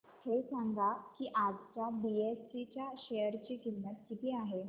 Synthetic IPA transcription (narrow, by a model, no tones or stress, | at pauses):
hesãŋɡʱakiːʔad͡zt͡sabiessit͡ɕjaɕejəɾt͡ɕiːkimːət̪̚kit̪iːaɦe